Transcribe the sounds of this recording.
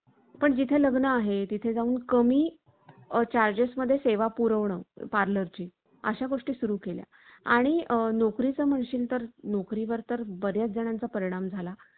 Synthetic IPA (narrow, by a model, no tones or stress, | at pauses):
pəɳd͡ʑit̪ʰeləɡnəaɦet̪it̪ʰed͡zauːnkəmiː | t͡ɕaɾd͡ʑesməd̪ʱːjeseʋapuɾəʋɳəpaɾləɾt͡ɕiː | ə̰ɕaɡoʂʈiːsuɾuːkelja̰ | aɽ̃inokɾit͡səm̤əɳɕiːlt̪əɾnokɾiʋəɾt̪əɾbəɾjat͡s̚d͡zəɽ̃ant͡sapəɾiɽ̃amd͡zʱala